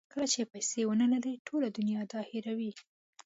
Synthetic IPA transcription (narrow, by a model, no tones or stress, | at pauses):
kəlat͡ʃepajsewənəlaleʈʰolad̪ʊnjɑd̪ɑheɾawi